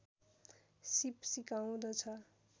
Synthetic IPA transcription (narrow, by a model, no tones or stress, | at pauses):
sipsikaw̃d̪ʌt͡sʰʌ